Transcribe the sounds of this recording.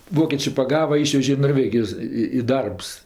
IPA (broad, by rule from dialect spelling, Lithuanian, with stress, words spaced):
ˈʋoːkʲeːt͡ʃʲeː pɐˈɡɑːʋɐ ˈiːʃʲʋʲɛʒʲeː ɪ noːrʲˈʋʲæːɡʲɪjoːs ɪ ɪ ˈdɐrps